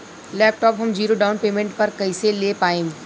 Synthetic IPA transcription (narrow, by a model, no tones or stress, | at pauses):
lɛːp̚ʈɔːpɦɐmd͡ʒiːɾoɖaːʊnpeːmẽɳʈ̚pɐɾkɐiseleːpaːẽː